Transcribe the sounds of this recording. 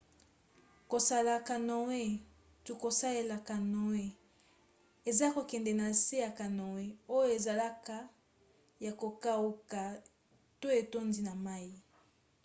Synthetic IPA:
ko˨sa˨la˨ka˨no˨we˦ | tu˨ko˨sa˦le˨la˨ka˨no˨we˦ | e˨za˦ko˨kɛ˨ndɛ˨na˨se˦ja˨ka˨no˨we˦o˦jo˦e˨za˨la˦ka˦ | ja˨ko˨ka˦o˦ka˨ | to˦e˨to˦nzi˦na˨ma˦i˦

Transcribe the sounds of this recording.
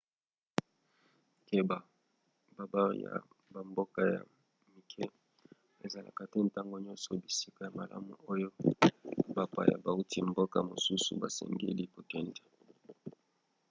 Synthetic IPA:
ke˦ba˨ | ba˨ba˦ja̰˨ | ba˨mbo˦ka˦ja̰˨ | mi˨kʰɛ˦ | e˨za˨la̰˨ka˨te˦nta˦ŋɡo˨ɲɔ˦nsɔ˨bi˨si˦ka˨ja˨ma˨lʔa̰˦mṵ˨o˦jo˦ | ba˦pa̰˨ja̰˨ba˨u˦ti˦mbo˦ka˨mo˨su˦sṵ˨ba˨sɛ̰˨ŋɡḛ˦li˦po˦kɛ˦nde̥˨

